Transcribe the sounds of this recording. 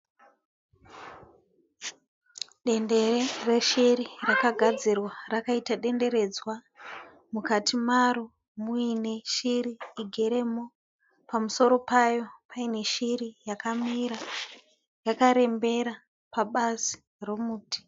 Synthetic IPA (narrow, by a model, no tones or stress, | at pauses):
ɗe̞nde̞rereʃiɾirakaɡʱad͡zirwarakaitaɗe̞nde̞ɾe̞d͡zwa | mukatʰimaɾu | muine̞ʃiɾiːɡʱe̞ɾe̞mo | pamuso̞ɾo̞pajo̞paine̞ʃirijakamiɾa | jakaɾe̞mbe̞ɾa | paɓazi̥ | romuːtʰi̥